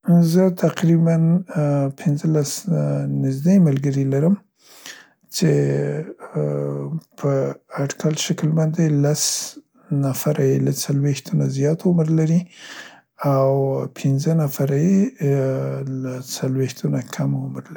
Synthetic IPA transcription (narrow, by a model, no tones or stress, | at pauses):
zət̪ʰaqɾibanpʰɪnzəlasnɪzd̪eməlɡəɾilaɾəm | t͡ʃe | pʰəaɖkalʃaklbɑnd̪elas | nafaɾajelat͡salwext̪unazjɑt̪ʊmɾlaɾi | awpʰɪnzənafaɾaje | lat͡salwext̪unakʰamʊmɾlai